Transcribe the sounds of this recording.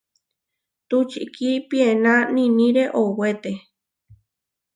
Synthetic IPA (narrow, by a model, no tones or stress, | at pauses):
t̪ut͡ʃḭkʰipienãnĩnĩɾeʔowet̪e